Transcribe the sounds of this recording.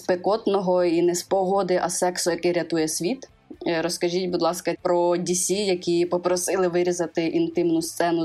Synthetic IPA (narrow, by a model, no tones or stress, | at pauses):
spekɔt̪nɔɦɔinɛspɔɦɔd̪ɪʔɐsɛksɔjɐkɛɾʲɐt̪ujɛsʲʋʲit̪ | ɾɔskɐʒʲitʲbud̪lˠɑskɐpɾɔdʲisʲijɐkʲipɔpɾɔsɪlˠɪʋɪɾʲizɐt̪ɪʔint̪ɪmnʊst̪sɛnʊ